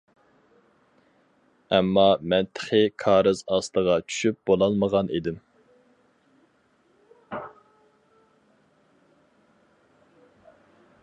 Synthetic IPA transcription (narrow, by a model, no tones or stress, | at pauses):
ɛmːɑmɛnt̪ʰə̥χɪkʰɑːɾɨzɑslˠəʁɑt͡ʃʰy̥ʃyp̚b̥olˠɑlˠməʁɑnʔid̪ɪm